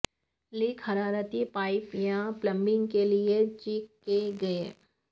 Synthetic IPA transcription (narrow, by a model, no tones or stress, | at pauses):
lɪkʰhɐɾaːɾət̪ipaːɪpjãplɐ̃mbɪ̃ŋɡkeliet͡ʃiːkːeɡɐe